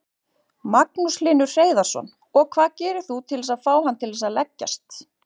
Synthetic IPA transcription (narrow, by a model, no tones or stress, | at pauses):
maknuslɪnʏɾ̥r̥eːjðḁsɔ̰n | ɔɣkʰvaːðcɛːɾʏɾ̥θut̪ʰɪlɛsaðfaːwhanːt̪ʰɪlɛsaðlɛcːa̰st̪